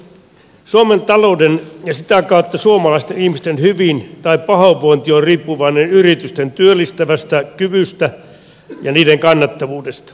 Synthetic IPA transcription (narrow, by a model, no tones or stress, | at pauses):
suoment̪ɑloudenjɑsit̪ækɑˑut̪ːɑsuomɑlɑist̪enihmist̪enhyʋint̪ɑippɑhoʋːoint̪iorriːpːuʋɑinenyrit̪yst̪ent̪yølːˑist̪æʋæst̪ækyʋyst̪æ | jɑniːdeŋkɑnːɑt̪ːɑʋuːdest̪ɑ̥